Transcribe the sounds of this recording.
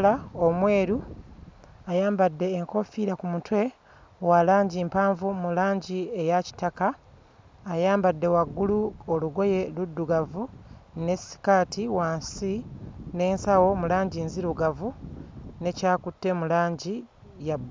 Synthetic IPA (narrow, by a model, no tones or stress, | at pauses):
laomwe̞ːɾu | ajaːmbadːe̞ːŋko̞fiɾakumutwe̞ | walaːɲɟimpaːɱvumulaːɲɟiejaci̥takaː | jaːmbadːe̞waɡːuluoluɡo̞je̞ludːuɡavune̞si̥kaːtʰiwaːnsine̞ːnsawo̞mulaːɲɟiːnziɾuɡavune̞caːkutːe̞mulaːɲɟi | jab